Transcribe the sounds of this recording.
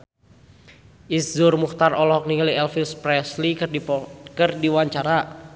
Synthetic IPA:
ʔiszʊrmuxt̪arʔɔlɔɦɔk̚niŋaliɛlfilspɾɛsli | kɨrdiwaɲt͡ʃaɾa

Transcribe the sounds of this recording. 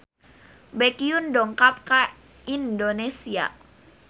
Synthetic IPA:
bɛkiundɔŋkap̚ka | indonesia̰

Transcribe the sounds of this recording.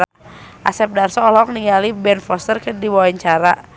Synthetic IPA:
ʔa̰sɛp̚darsɔːlɔk̚niŋalibɛnfɔst̪ərkədiwawaɲt͡ʃaɾa

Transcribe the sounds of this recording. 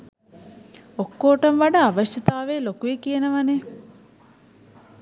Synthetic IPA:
okːoːʈəmʋaɖɐaʋəʃjɐt̪aːʋeːlokuekijenəʋane

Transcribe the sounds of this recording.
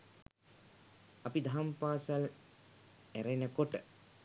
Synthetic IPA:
ɐpid̪aampaːsal | æɾenəkoʈə

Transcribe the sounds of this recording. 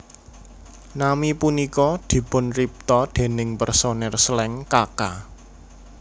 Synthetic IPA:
namipunikɔd̪̥i̤pʊnrip̚t̪ɔd̪̥e̤nɪŋpərsonɛrsəlɛŋkaka

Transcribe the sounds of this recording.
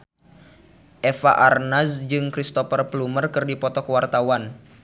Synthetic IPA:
ʔɛfa̰ʔarnasd͡ʒɨŋkɾist̪ɔfərplumərkɨrdipɔt̪ɔkəwart̪awan

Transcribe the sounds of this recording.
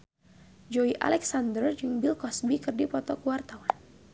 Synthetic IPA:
d͡ʒɔiʔa̰lɛksand̪ərd͡ʒɨŋbilkɔsbikɨrdipɔt̪ɔkuwart̪awan

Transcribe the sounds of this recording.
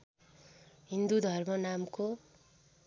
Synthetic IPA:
ɦind̪ud̪ʱʌrmʌnamko

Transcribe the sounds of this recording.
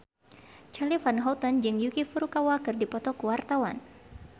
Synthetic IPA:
t͡ʃalifanɦɔt̪ɔnd͡ʒɨŋjukifuɾukawakɨrdipɔt̪ɔkəwart̪awa̰n

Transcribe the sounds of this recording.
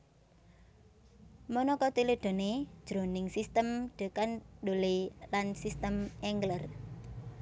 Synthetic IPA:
mɔnɔkɔt̪ileɖ̥o̤ned̥ʒ̥ɾo̤nɪŋsist̪əmɖ̥ə̤kanɖolelansist̪əmɛŋɡlər

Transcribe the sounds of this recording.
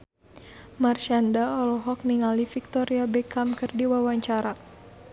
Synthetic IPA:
marʃandaɔlɔɦɔk̚niŋalifik̚t̪ɔɾiabɛkamkɨrdiwawaɲt͡ʃaɾa

